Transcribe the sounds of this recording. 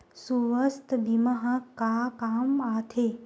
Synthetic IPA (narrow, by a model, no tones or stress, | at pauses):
suʋəst̪bimɐɦɐkakaːmat̪ʰe